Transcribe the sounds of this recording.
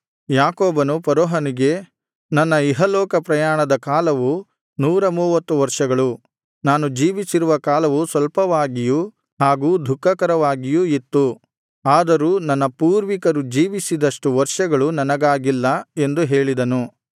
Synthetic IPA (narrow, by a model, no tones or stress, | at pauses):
jaːkoːbɐnupɐɾɔːɦɐniɡe̞ | nɐnːɐiɦɐlɔːkɐpɾɐjaːɳɐd̪ɐkaːlɐʋu | nuːɾɐmuːʋɐt̪ːuʋɐɾʂɐɡɐɭu | naːnud͡ʒiːʋisiɾuʋɐkaːlɐʋusʋɐlpɐʋaːɡiju | haːɡuːd̪ʱukːɐkɐɾɐʋaːɡijuit̪ːu | aːd̪ɐɾuːnɐnːɐpuːɾʋikɐɾud͡ʒiːʋisid̪ɐʂʈuʋɐɾʂɐɡɐɭunɐnɐɡaːɡilːɐe̞nd̪uɦe̞ːɭid̪ɐnu